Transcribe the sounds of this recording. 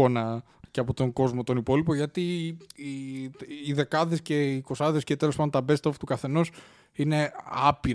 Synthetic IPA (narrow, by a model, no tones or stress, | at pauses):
o̞nɐ | ceɐpo̞t̪o̞ŋɡo̞zmo̞t̪o̞nipo̞lipo̞ʝɐt̪i | iðe̞kɐðe̞sce̞ko̞sɐðe̞scet̪e̞lospɐd̪ot̪ɐbe̞st̪oft̪ukɐθe̞no̞s | ine̞ɐpiɾ